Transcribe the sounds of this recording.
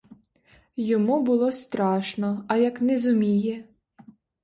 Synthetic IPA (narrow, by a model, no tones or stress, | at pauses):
jɔmubʊlˠɔst̪ɾɑʃnɔɐjɐknɛzʊmʲijɛ